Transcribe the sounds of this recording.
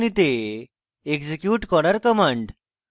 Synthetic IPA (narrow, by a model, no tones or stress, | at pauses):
ñit̪e | ekd͡ʑekjuːʈkɔɽəɾkəmãɳɖ